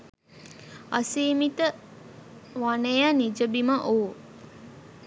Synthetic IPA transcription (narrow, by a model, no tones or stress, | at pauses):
a̰siːmit̪ə | ʋanejanid͡ʒəbimaʔoː